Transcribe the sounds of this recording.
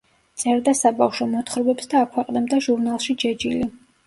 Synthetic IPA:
t̪sʼɛɾd̪asabafʃɔmɔt̪ʰχɾbɛpsd̪aːkʰwɛqʼnɛbd̪aʒuɾnalˠʃid͡ʒɛd͡ʒili

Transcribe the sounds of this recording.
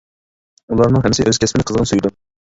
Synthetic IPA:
ulˠɑɾnɨŋɦɛmːɪsɪʔøz̥kʲʰɛsmɪnɪqʰəzʁənsujd̪u

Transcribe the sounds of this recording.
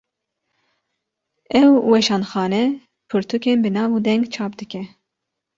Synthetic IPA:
ɛwwɛʃɑːnxɑːnɛ | pʰɨɾt̪ʰukeːnbɨnɑːvud̪ɛŋɡt͡ʃʰɑːpd̪ɨkʲɛ

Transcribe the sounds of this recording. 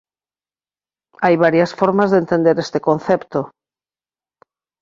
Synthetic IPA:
ajβaɾjasfoɾmazðent̪ẽnd̪eɾest̪ekon̟θɛpt̪o

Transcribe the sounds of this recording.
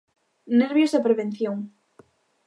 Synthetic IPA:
neɾβjosðapɾeβẽnθjoŋ

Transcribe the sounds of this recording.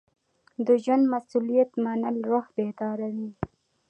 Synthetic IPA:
d̪əʒwand̪masulijat̪manəlɾohbet̪ɑːɾawi

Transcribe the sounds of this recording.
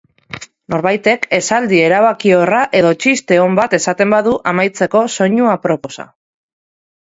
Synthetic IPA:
no̞ɾβajt̪e̞ke̞sald̪ie̞ɾaβ̞akio̞raʔe̞ðo̞t͡ʃist̪e̞o̞mbat̪e̞sat̪e̞mbaðuʔamajt͡se̞ko̞so̞ɲuapɾo̞po̞sa̰

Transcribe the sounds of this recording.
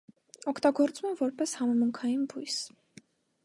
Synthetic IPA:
ɔkʰt̪ɑɡɔɾt͡sumɛmvɔɾpɛshɑmɛmuŋkʰɑjinbujs

